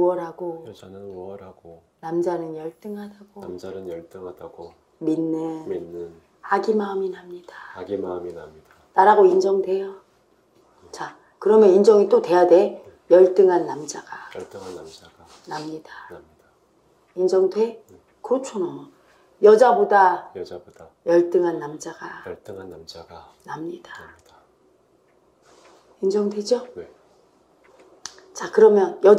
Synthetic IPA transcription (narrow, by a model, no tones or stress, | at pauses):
uʌɾɦaɡo | ʌɾaɡo | namd͡ʑanɯnjʌɭt͈ɯŋɦadaɡ̥oamanɯnjʌɭt͈ɯŋadaɡo | minːɯminːɯn | aɡimaɯminɦamɲid̥aɡimaminaɲidanaɾaɡoind͡ʑʌŋdwe̞jo | t͡ɕa | kɯɾʌmjʌnind͡ʑʌŋit͈odwe̞jadwe̞ | jʌɭt͈ɯŋɦanːamd͡ʑaɡ̥a | namɲida | ind͡ʑʌŋdwe̞ | kot͡ɕʰonom | jʌd͡ʑaboda | jʌɭt͈ɯŋɦanːamd͡ʑaɡ̥a | a | namɲida | ind͡ʑʌŋdwe̞d͡ʑo | t͡ɕakɯɾʌmjʌnjʌ